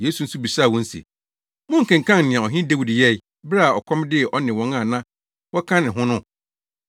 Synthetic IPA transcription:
jeː˨˦su˨n̩˦su˦bi˨saː˦˨wɔ̃˦n̩˦sḛ˨ | mʊ̃˦ŋ̩˨kʰã˨ŋ˨kʰã˦ŋ˨nɪ̃˨ã˨ɔ˨ɦɪ̃˦de˦wi˨djɛ˦ɪ˨ | bɾa˨ɔ̰˨kʰɔ̃˦mdɪ˦ɛ˨ʔɔ˦nɪ̃˨wɔ̃˨˦ŋã˦˨nã˦ | wɔ˦kʰã˦nɪ̃˨ɦʊ̃˦nʊ̃˦

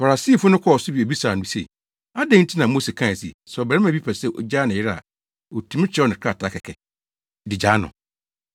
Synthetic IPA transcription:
fa˨ɾa˨si˦˨fʊ˦nʊ̃˦kʰɔ˦˨ɔ˨sʊ˦bi˨o˨bi˦sa˨nʊ̃˨˦sḛ˨ | a˦dɛ̃˦n̩˦tʰi˦nã˨mo˦se˨kʰã˦˨sḭ˨sbɛ˨ɾɛ˦mã˨bi˦pʰa˨sɛ˦˨ʔo̰˨d͡ʑaː˦nɪ̃˨ɪ˦ɾa̰˨ | o˨tʰũ˦m̃˦t͡ɕʰɛ˦ɔ˦nɪ̃˨kʰa˦˨tʰa˦kʰɛ˨kʰɛ˨ | dɪ˨d͡ʑaː˨˦nʊ̰̃˨

